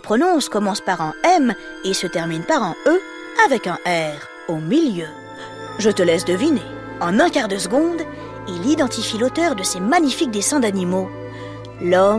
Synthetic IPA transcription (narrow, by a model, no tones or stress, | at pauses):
pχɔnɔ̃skɔmɑ̃spaʁɛ̃ɛm | esət̪ɛʁminpaʁɛ̃ø | avɛkɛ̃ʔɛʁ | omiljø | ʒət̪əlɛsd̪əvine | ɑ̃nɛ̃kaʁd̪əsəɡɔ̃d̪ | ilid̪ɑ̃t̪ifilot̪œʁd̪əsemaɲifik̚d̪esɛ̃d̪animo | lɔ